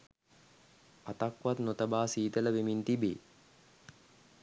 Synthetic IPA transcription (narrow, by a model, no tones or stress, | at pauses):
at̪akʋat̪not̪əbaːsiːt̪ələʋemint̪ibḛː